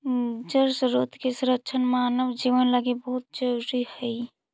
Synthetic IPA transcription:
d͡ʒəɾsɾot̪kesuɾəkːt͡ʃʰənmanəʋd͡ʒiʋənləɡebəɦut̪̚d͡ʒəɾuɾihəj

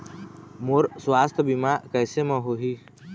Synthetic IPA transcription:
moɾswaːst̪ʰbimakɛːsemə̃ɦoɦiː

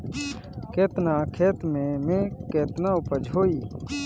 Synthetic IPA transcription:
keːt̪naːkʰeːt̪mẽmẽkeːt̪naʊpəd͡ʒɦoːiː

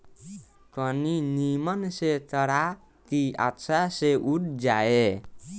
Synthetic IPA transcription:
tɔninimənset̪ʌɾa | t̪ia̰tsaseʔuʈ̚ʰd͡ʒae

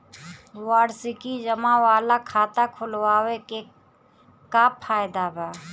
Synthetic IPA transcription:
waːɽsɪkid͡ʒəmawaːlakʰaːt̪akʰʊlwaːweke | kapʰːaːjd̪abʱɛː

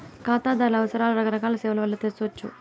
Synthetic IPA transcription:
kaːt̪aːd̪aːɾlɐɐʋɐsɐɾaːlɐɾɐɡɐɾɐkaːlɐsɛːʋɐlɐʋɐlːɐt̪eɾsʋɐt͡ʃːṵ

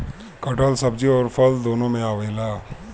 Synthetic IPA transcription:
kɐʈəlsɐbd͡ʒiɔːɾpʰɐld̪oːnõmẽaːʋeːlaː

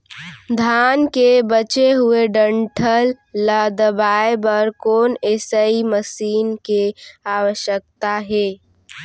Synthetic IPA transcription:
d̪ʱaːnkebət͡ʃeɦʊeɖə̃ɳʈʰəlː | əd̪əbaːebəɾkoːneːsəiməsiːnkeaːwəʃjək̚t̪aɦɛː

